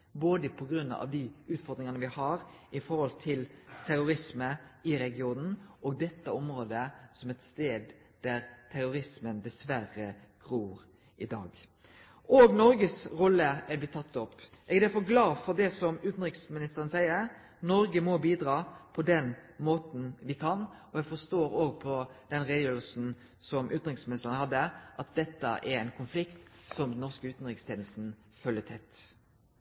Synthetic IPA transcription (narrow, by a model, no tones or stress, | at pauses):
boːd̪əpʰɔɡɾʉnːɑ̰ʋd̪iʉːt̪fɔɾd̪ɾɪŋɑnəʋɪhɑɾɪfɔɾhɔlt̪ʰɪlt̪ʰæɾʊɾɪsməɪɾɛɡɪuːnn̩ɔːɡ̚d̪ɛt̪ːəɔmɾoːd̪əsɔmɛt̪st̪eːd̪ | d̪̥æɾt̪ʰæɾʊɾɪsmənd̪ɛsʋæɾəɡ̥ɾuːɾ | ʔɪd̪ɑ̰ːɡ | oːɡnɔɾɡəsɾɔlːəɛblɪt̪ʰːɑt̪ːɔpː | ʔɛɡɛd̪æfɔɾɡlɑːfɔʁd̪ɛsɔmʉːt̪n̩ʁɪksmɪnɪst̪əɾənəsæɪəɾ | nɔɾɡəmɔbiːd̪ɾɑːpʰɔd̪ɛnmoːt̪n̩ʋɪkʰɑnɔɛɡfɔst̪oːɾoːɡ̚pʰɔd̪̥ɛnʁed̪jøːlsn̩ | sɔmʔʉːt̪nʁɪŋsmɪnɪst̪əʁɾnhɑd̪ːəʔɑt̪̚d̪ɛt̪ːə̰ʔɛɾæɪnkʰʊnflɪkt̪sɔmd̪nɔʁskəʉːt̪n̩ɾɪkst̪ʰjeːnəst̪n̩ | fœlːət̪ʰɛt̪ː